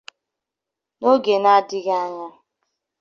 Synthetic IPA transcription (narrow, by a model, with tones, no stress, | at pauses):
no˦ɡe˨na˦dɪ˦ɣa˦ɲa˦